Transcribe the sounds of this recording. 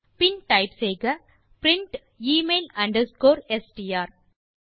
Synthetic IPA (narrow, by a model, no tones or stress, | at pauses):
pɪnʈɐɪpseːɡɐ | pɾɪɳʈ | iːmeːlɐ̃ɳɖɐɾskoːɾesʈiaːɾ